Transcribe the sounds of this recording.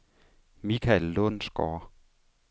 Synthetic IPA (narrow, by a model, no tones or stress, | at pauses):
mikʰælːonsɡ̥ɔ̰ː